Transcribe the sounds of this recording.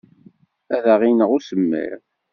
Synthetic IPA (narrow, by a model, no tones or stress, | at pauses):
æðæʁinəʁʊsəmːḭɾ